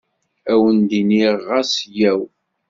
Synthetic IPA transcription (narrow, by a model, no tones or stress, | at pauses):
æwənd̪iniʁasjæw